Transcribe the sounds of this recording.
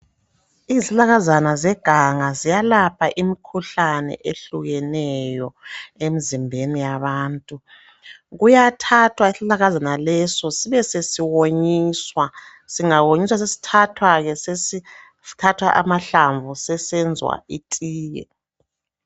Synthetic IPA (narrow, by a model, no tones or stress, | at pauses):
izilaɣazanazɛɡ̥ʱaŋazijalapʰaʔimikʰuɬanɛ̰ʔeɬuɣɛnɛjɔemizimbʱenijaβaːntʼu | ɣujatʰatʰwaisilaɣazanalɛsɔsiβɛsesiwoɲiːswa | siŋawoɲiswas̬esi̥tʰatʰwaɣɛsesi | tʰatʰwaʔamaɬaɱvusɛsɛnd͡zʱwa̰itʼiːjɛ̰